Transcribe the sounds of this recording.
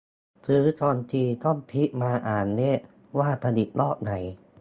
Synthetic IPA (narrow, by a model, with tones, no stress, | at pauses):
sɯː˨˩˦t͡ɕɔː˧nt̪ʰiː˧t̪ɔ˥˩ŋpʰi˦˥ʔmaː˧ʔaː˨˩nːeː˦˥˩ | waː˥˩pʰa˧ni˨˩t̪̚nɔː˥˩k̚na˨˩˦j